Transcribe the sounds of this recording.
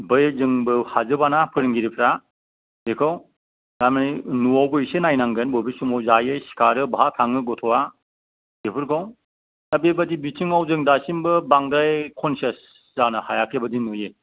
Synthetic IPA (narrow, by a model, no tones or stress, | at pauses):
bɯjzɯŋbɯhazɯbanapʰɯɾɯŋɡiɾipʰɾa | dekʰaw | damaninuawbɯsenajnaŋɡɯnbobisumawzajɯjsi̥kʰaɾɯbaɦatʰaŋɯɡɔtʰɔwa | depʰɯɾkʰaw | abebadibitʰiŋawzɯŋdasimbɯbaŋdajkʰɔnsɐs | zanɯhajakʰebɯdinɯje